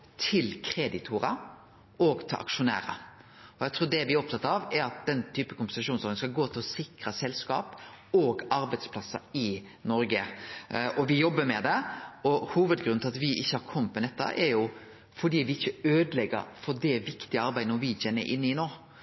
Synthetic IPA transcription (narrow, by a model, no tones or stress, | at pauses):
t̪ʰɪlkʰɾeːd̪ɪt̪ʰʊɾɑ̰ | ʔɔːɡt̪ʰɪlʔɑ̰kʃʊnæ̰ːɾə̰ | ɔjæɪt̪ʰɾuːɖɛʋɪɾɔp̚t̪ʰɑt̪ːəɾɑʋɛɾɑt̪̚d̪ɛnt̪ʰyːpəkʊmpɛn̩sɑʂuːnsɔɾɡən̩skɑlɡoːt̪ʰɪlɔsɪkɾəsɛlskɑ̰ːp | oːɡɑɾbæɪd̪spʰlɑsːɑ̰ɾɪ | nɔɾɡə | ʔɔʋɪjɔbːəmɛd̪ɛɔhuːʋəd̪ɡɾʉnnʰlɑt̪ʋɪʔɪçːəhɑɾkʰɔmp̪mɛnɛt̪ːə̰ʔɛɾjʊ | fɔɖiːʋɪɪçːəøːd̪əlɛɡːə̰ɾfɔdɛʋɪkt̪ɪəɑɾbæɪənɔʋɪt͡ʃɛnːə̰ɾʔɪ̰nːɪnoː